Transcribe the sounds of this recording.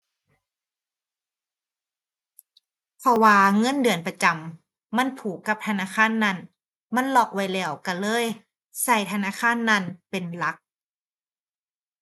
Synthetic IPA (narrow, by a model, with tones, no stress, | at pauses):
pʰɔ˧waː˧ŋɤ˧˥˨ndɯ˨˩ənpa˧t͡ɕa˨˩mː | a˧˥˨npʰuː˨˦kːa˧˦p̚t̪ʰa˧naː˧˥˨kʰaː˧˥˨nːa˧˥˩n | ma˧˥˨nlɔː˧˩k̚wa˧˥jlɛː˧˩wka˧˩lɤː˧˥˨j | sa˧˩jt̪ʰa˧naː˧˥˨kʰaː˧˥˨nːa˧˩˨npe˨nla˧˦˥k̚